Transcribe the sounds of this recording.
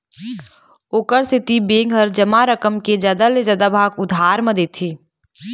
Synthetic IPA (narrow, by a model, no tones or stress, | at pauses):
oːkəɾsɪt̪ibeːŋɡɦəɾd͡ʒɐmaɾəkəmked͡ʒjaːd̪alezjaːd̪abʱaːɡʊd̪ʱaːɾməd̪eːt̪ʰeː